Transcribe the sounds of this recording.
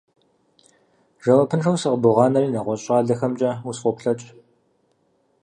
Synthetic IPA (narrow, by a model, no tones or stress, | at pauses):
ʒɐwɐpʰɨnʂɐwsɨqbuʊʁɑːnɐriːnɐʁʷɔɕʼɑːɮɐxɐmt͡ʃʼɐwusfʷɔpɬɐt͡ʃʼ